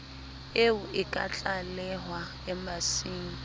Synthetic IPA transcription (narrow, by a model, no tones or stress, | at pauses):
eʊʔɪkʼat͡ɬʼalɛɦwa | ɛmasiːŋ̩